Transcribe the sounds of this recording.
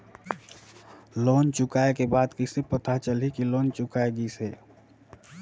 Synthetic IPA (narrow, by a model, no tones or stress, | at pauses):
loːnt͡ʃʊkaːekebaːd̪kisepət̪at͡ʃəlikiloːnt͡ʃʊkaeɡiseː